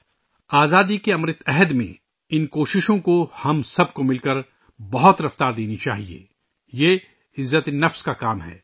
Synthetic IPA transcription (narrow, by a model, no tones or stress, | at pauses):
aːzaːd̪ikeɐmɾɪt̪ɛɦəd̪mḛ̃ | ɪnkoːʃɪʃõkohɐmsɐbkomɪlkɐɾ | bɐɦʊt̪ɾɐft̪aːɾd̪eːnit͡ʃa̰ːɦiḛː | jeː | ɪzːət̪nɐfskakaːmɦɛ̰ː